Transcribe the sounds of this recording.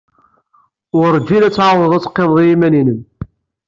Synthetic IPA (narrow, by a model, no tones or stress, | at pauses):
ʊɾd͡ʒːilæt͡sːʕɑwˤəðˤæt͡sːqːemðˤjimæninəm